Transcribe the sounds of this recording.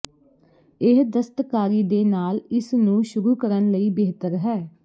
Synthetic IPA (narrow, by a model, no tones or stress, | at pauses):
ɪɦd̪əst̪kaːɾiːd̪eːnaːlɪsnũːʃʊɾuːkəɾənləiːbeːt̪əɾɦɛː